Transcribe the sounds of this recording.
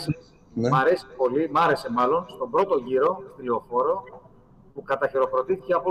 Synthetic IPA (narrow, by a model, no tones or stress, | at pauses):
sis | mɐɾe̞si̥po̞limɐɾe̞se̞mɐlo̞nst̪o̞bɾo̞t̪o̞ʝiɾo̞t̪lio̞fo̞ɾo̞ | pukɐt̪ɐçeɾo̞xɾo̞t̪iθice̞ɐpo